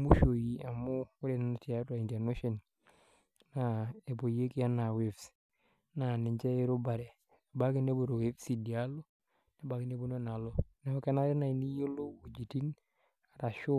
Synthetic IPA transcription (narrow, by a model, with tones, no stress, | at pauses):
mu˦ʃo˨ji˨a˨mo˦kʊ˦ɾe˨na˨na˨ti˨a˦ta˨i˨nta˨no˦ʃɔ˨n | na˨e˨bo˨je˦ki˦a˦na˨we˦fs | na˨nɪ˨ɲd͡ʒɛ˦e˦ɾo˦ba˨ɾɛ˨ | ba˦kɪ˦ne˦bo˨ɾo˨we˦fsi˨di˨a˦lo˦ | na˨ba˨ki˦ne˦bo˦no˦na˨lo˨na˨o˦ka˦na˦ɾɛ˦na˨i˨ni˦jo˦lo˦o˨d͡ʒi˨ti˦n | a˨ɾa˨ʃo˦